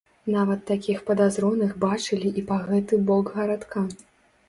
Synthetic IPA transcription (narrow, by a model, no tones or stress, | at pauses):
navɐt̪ːakʲixpɐd̪azɾɔnɨɣbat͡ʂɨlʲiʔipaɣɛt̪ɨbɔɡɣɐɾat̪kʰa